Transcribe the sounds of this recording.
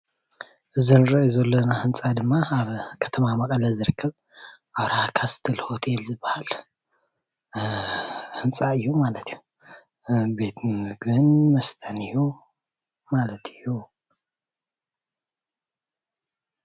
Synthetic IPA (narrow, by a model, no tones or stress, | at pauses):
ʔɨzinɨɾɐʔjzɐlːonahɨnt͡sʼad̪ɨmːaβkʰɐ̥t̪ʰɐmamɐkʼɐlɐzɨɾɨkʰːɐβ | ʔaβɾahakʰast̪ʰɐlho̞t̪ʰelzɨbːahal | hɨnt͡sʼaɨjːumalɐt̪ʰijːu | be̞t̪mɨɡbɨnmɐst̪ʰʼɐnɨju | malɐt̪ʰɨjːu